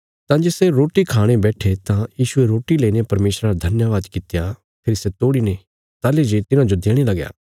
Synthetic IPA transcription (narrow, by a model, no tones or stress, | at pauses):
t̪ãːd͡ʒeːseɾoːʈikʰaːɽ̃ebɛːʈʰet̪ãjiːʃʊeɾoːʈileːinepɐɾmeːʃɾaɾad̪ʱɐnjaʋaːd̪kɪt̪ja | pʰɪːɾiset̪oːɽine | t̪aːled͡ʒet̪ɪnãd͡ʒod̪eːɽ̃elɐɡja̰ː